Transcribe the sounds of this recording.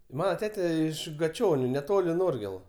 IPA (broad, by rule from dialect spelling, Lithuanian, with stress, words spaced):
ˈmɑːnɐ ˈtʲæːtʲɛ ˈɪʃ ɡɐˈt͡ʃʲoːnʲʊ nʲɛˈtoːlʲɪ ˈnoːrʲɡʲeːlˠʊ